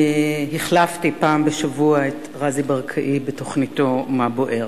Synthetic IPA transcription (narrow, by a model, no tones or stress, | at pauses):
hiχlaftipaːmbeʃavuaet | ʁazibaʁkʰaʔibeto̞χnito̞mabo̞ʔe̞ʁ